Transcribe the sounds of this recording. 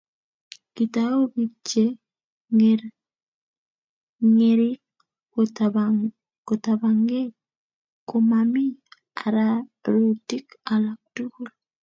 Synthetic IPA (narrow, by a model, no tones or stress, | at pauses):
kit̪aobit͡ʃːe | ŋeɾ | ŋeɾikː | ota | kot̪abaŋɡe | komami | aɾaɾutikalak̚tukul